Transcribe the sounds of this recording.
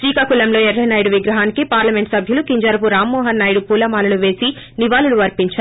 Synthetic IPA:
sʋiːkɐkulɐmlo̞ːɛɾːɐjnaːjɽuʋiɡɾɐɦaːnikipaːɾlɐmeɳʈsɐbʱjɐlukiɲd͡ʒɐɾɐpuɾaːmːɔːɦɐnːaːjɽupuːlɐmaːnɐluʋe̞ːsi | niʋaːluluʋɐɾpiɲt͡ʃaːɾ

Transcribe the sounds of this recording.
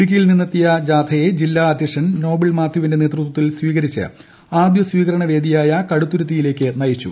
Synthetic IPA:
ɽik̬ʲːɐjilninːɐt̪ːijɐd͡ʑaːt̪ʰɐje̞d͡ʑilːaːd̪ʱjɐʂɐnno̞ːbiɭmaːd̪ʱjuʋinde̞ne̞ːt̪rut̪wɐt̪ːilswiːɣɐɾit͡ɕːɨ̰ | aːd̪jɐsʋiːɣɐɾɐɳɐʋe̞ːd̪ijaːjɐkɐɽut̪ːuɾut̪̬ːijile̞ːkʲːɨnɐjit͡ɕːṵ

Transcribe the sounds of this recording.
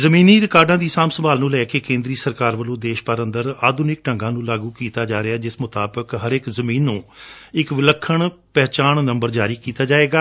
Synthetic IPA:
zəmĩːniːɾɪkaːɾɖãːd̪iːsaːmsəbaːlnũːlɛːkeːkẽːnd̪ɾiːsəɾkaːɾʋəlõːd̪eːʃpəɾə̃nd̪əɾaːd̪ʊnɪk̚ʈə̃ŋɡãːnũːlaːɡuːkiːt̪aːd͡ʒaːɾɪaːd͡ʒɪsmʊt̪aːbəkɦəɾɪkzəmĩːnːũːɪkʋɪləkʰːəɳpɛːt͡ʃaːɳnə̃mbəɾd͡ʒaːɾiːkiːt̪aːd͡ʒaːeːɡaː

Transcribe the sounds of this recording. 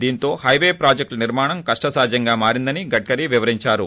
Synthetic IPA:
d̪iːnt̪o̞ːhɐjʋeːpɾaːd͡ʒek̚ʈniɾmaːɳɐmkɐʂʈɐsaːd͡ʒʱjɐŋɡaːmaːɾind̪ɐniɡɐʈ̚kɐɾiʋiʋɐɾiɲt͡ʃaːɾu

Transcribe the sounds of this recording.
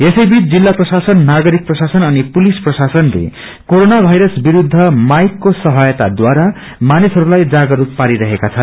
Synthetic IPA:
esʌjbit͡sd͡zilːaprʌsasʌnːaɡʌɾik̚prʌsasʌnʌnipulisprʌsasʌnlḛ | koɾonabʱajɾʌsbiɾud̪ʱːʌmajkːosʌɦʌjʌt̪ad̪waɾa | manisʌɾulajd͡zaɡʌɾut̪̚paɾiɾʌɦekat͡sʰʌn

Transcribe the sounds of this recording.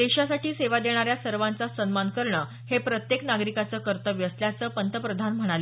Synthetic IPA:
d̪eɕasaʈiːseʋad̪eɽ̃aɾjasəɾʋant͡sasənmankəɾɳəː | hepɾət̪jeknaɡɾikat͡səːkəɾt̪əʋjəsljat͡səːpənt̪ʰəpɾəd̪ʱanm̤əɽ̃ale

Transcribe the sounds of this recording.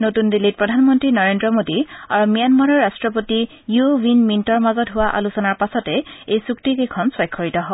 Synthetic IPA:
notundilit̚pɹɔdʱanmɔntɹinɔɹendɹɔmodiaɹumijanmaɹɔɹastɹɔp̬oti | jubinmintɔɹmazɔtɦʊwaʔa̰lusɔnaɹpasɔtɛejsuktikekʰɔnswɔjkʰːɔɹitɔɦɔ

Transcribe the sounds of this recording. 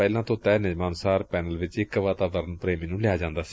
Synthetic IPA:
ɛːlãːt̪õːt̪ɛːnɪd͡ʒmaːnʊsaːɾpɛːnəlʋɪt͡ʃɪkːʋaːt̪aːbəɾənpɾeːmːnũːlɪjaːd͡ʒãːnd̪aːsi̥

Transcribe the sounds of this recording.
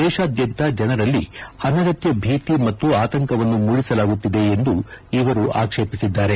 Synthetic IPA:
d̪ɛːʃaːd̪jɐnt̪ad͡ʒɐnɐɾɐlːḭɐnɐɡɐt̪jɐbʱiːt̪imɐt̪ːuaːt̪ɐŋkɐʋɐnːumuɽisɐlaːɡut̪ːid̪e̞ːnd̪uiʋɐɾuʔa̰ːkʂe̞ːpisid̪ːaːɾe̞

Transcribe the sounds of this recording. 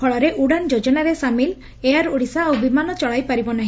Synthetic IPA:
ɔɭɔɾeʔuɽand͡ʒod͡ʒɔnaɾesamil | eaɾuɽisaowbimanɔt͡ʃɔɭajpaɾibɔnaɦĩ

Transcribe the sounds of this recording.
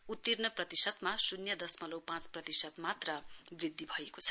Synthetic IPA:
ut̪ːirnʌprʌt̪isʌd̪masunjʌd̪ʌsmʌlowpãt͡sprʌt̪isʌd̪mat̪rʌbrid̪ʱːibʱʌekot͡sʰʌ

